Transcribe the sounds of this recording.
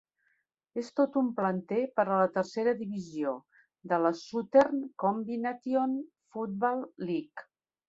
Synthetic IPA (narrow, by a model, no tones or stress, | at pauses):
est̪ot̪umplənt̪epəɾələt̪əɾseɾəðiβizio | d̪ələsut̪ernkombinat̪ion | fut̪̚bɔlˠːik